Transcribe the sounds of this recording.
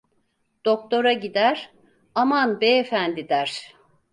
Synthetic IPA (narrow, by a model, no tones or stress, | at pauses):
d̪̥ok̚t̪ʰo̞ɾaɟid̪æɾ̥ | amanbeefænd̪id̪æɾ̥